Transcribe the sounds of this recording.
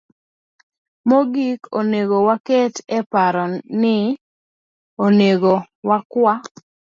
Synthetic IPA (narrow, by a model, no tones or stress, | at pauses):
moɡikoneɡowakɛtɛpaɾɔnɪ | oneɡo | wakwa